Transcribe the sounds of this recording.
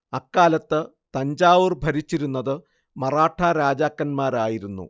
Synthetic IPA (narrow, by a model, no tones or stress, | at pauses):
ɐkːaːlɐt̪ːɨ | t̪ɐɲd͡ʑaːʋɨrbʱɐɾit͡ɕːiɾunːɐðɨ | mɐraːʈʰɐɾaːd͡ʑaːkːɐnmaːɾaːjiɾunːṵ